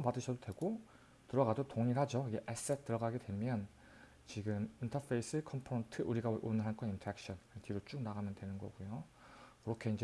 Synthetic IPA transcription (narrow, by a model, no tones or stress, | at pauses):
mpadɯɕʰʌdodwe̞ɡo | tɯɾʌɡadotoŋiɭhad͡ʑoɯɡe̞ʔes͈et̚t͈ɯɾʌɡaɡedwe̞mjʌn | t͡ɕiɡɯmintʰʌfʰe̞is͈ʰɯkʰʌmpʰɾontʰɯʔuɾiɡaʔonɯɭɦank͈ʰʌnintʰʌek̚ɕ͈ʰʌnktʰiɾot͡ɕ͈uk̚naɡamjʌndwe̞nɯnɡʌ̰ɡujo | kɯɾʌkʰe̞ind͡ʑe